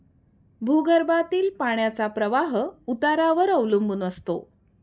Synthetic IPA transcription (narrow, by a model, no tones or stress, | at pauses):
bʱuɡəɾbat̪iːlpaɳjat͡sapɾəʋaɦut̪aɾaʋəɾəʋlumbunəst̪o̰